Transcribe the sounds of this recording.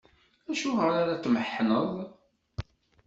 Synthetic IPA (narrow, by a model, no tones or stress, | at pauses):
æʃuʁəɾaɾat͡sːməħːnəðˤ